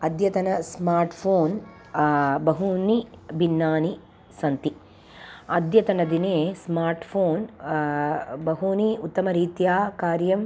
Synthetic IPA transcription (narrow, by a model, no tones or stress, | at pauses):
ɐd̪jɐt̪ɐnɐsmaːɾʈpʰoːn | bɐɦunibinːaːni | sɐnt̪i | ɐd̪jɐt̪ɐnɐd̪ineːsmaːɾʈpʰoːn | bɐɦuniut̪ːɐmɐɾiːt̪jaːkaːɾjɐm